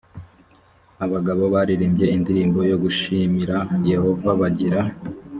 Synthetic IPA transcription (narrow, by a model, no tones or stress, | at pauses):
aβaɡaβo̞βaɾiɾiːmbje̞indiɾiːmbo̞jo̞ɡuʃimiɾaje̞ho̞vaβaɟiɾa